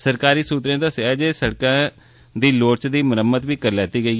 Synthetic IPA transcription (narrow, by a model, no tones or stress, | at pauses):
səɾkaːɾiːsuːt̪ɾẽːt̪aːsɪɛːd͡ʒeːsəɽkãː | d̪iːloːʈt͡ʃd̪iːməɾəmːəd̪ʋiːkəɾlɛːt̪iːɡəiː